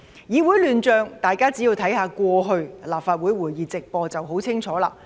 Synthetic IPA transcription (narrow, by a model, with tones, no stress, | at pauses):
jiː˨˧wuː˨˥jlyː˨nt͡ʃœː˨˧ŋt̪aː˨˩jkaː˥t͡si˨˥jiː˧wt̪ʰɐ˨˥jhaː˨˧kʷɔː˧ɦɵ˧ɥlaː˨p̚faː˧t̚wu˨˥jwuː˨˩jjiː˨˧t͡sɪ˨k̚pɔː˧t͡sɐ˨wɦo˨˥wt͡sʰɪ˥ŋt͡ʃʰɔː˨˥laː˧